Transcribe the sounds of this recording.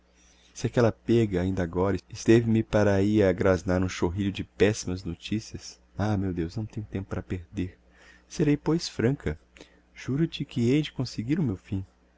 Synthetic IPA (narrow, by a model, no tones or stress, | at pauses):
sɪakɛlɐpɛɡɐaĩd̪ɐaɡɔɾɐɪst̪evɪmɪpaɾaiaɡɾaznaɾũʃoɦiʎʊd͡ʒɪpɛsimɐznot͡ʃisiɐs | amewd̪ewsznɐ̃w̃t̪ẽɲʊt̪ẽmpʊpɾɐpeɾd̪eɾ | seɾejpojsfɾɐ̃kʰɐ | ʒ̥uɾʊt͡ʃɪkɪejd͡ʒɪkõseɡiɾʊmewfĩ